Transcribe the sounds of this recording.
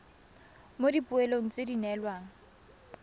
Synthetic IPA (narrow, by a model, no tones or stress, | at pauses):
modipuɛloŋ̩t͡sedinɛlwaːŋ̩